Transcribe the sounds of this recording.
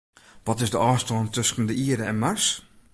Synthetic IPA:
ʋɔtɪsdəʔɑːstɔːntøskən̩dəʔiədəɛnmars

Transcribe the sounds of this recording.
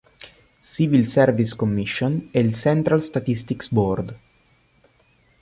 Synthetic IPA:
sivilsɛɾviskomːiʃːonɛlsɛnt̪ɾalst̪at̪ist̪iksbɔrd̪

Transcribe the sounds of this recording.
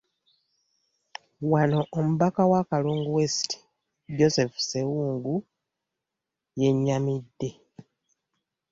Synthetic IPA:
wano̞ʔomuβakawakaluːŋɡuwe̞si̥ti̥ | ɟo̞se̞fu̥se̞wuːŋɡu | je̞ɲːamidːe̞

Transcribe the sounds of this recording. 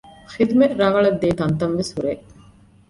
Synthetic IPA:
xid̪umeʔɾɐʋɐɭɐd̪ːeːt̪ɐnt̪ɐnʋeshuɾeː

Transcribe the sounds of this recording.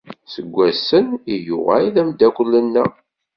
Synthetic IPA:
səɡʷːæsənijṵʁæ̰iðæmd̪ækʷəlːənːæ

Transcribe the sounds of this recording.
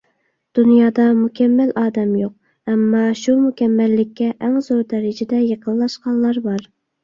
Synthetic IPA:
d̪̥unjɑːd̪ɑmukʲʰɛmːælɑːd̪ɛmjoq̚ | ɛmːɑʃumukʲɛmːælːɪkʲʰːɛʔɛŋzoɾd̪ɛɾɪd͡ʒɪd̪ɛjeqʰənˠlˠɑʃqɑnlˠɑɾbɑɾ

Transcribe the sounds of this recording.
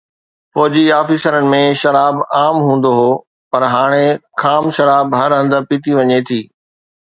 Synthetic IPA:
fɔːd͡ʑiaːfisəɾənɪ̆mẽʃɐɾaːbaːmɦũːn̆d̪oɦoː | pɐɾɦaːɽ̃ekʰaːmʃɐɾaːbɦɐɾɦɐ̃nd̪əɾpiːt̪iʋɐɲet̪ʰiː

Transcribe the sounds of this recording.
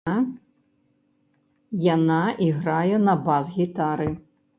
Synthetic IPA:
janaʔiɣɾajɛnɐbazɣʲit̪aɾɨ

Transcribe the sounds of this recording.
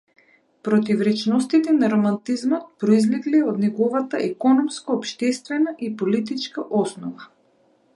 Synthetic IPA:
pɾɔt̪ivɾɛt͡ʃnɔst̪it̪ɛnaɾomant̪izmɔt̪̚pɾoizlɛɡliod̪nɛɡɔvat̪aʔɛkɔnɔmskoːpʃt̪ɛst̪vɛnaʔipolit̪it͡ʃkaʔɔsnɔva

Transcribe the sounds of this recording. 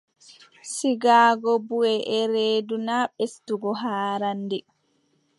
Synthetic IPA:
siɡaːɡɔbuɛʔɛɾeːdunaɓestuɡɔɦaːɾandɛ

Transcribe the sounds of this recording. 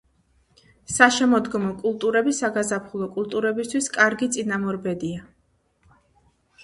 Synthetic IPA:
saʃɛmɔd̪ɡɔmɔkʼulˠt̪ʼuɾɛbisaɡazapʰχulˠɔkʼulˠt̪ʼuɾɛbist̪ʰwiskʼaɾɡit̪sʼinamɔɾbɛd̪ia

